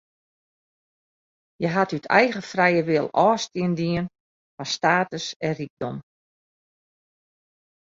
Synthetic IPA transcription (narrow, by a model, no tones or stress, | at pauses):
jəɦatytʰɛjɣəfrɛjəʋɪəlˠɔːstiəndiən | fastaːtəsɛrik̚dɔm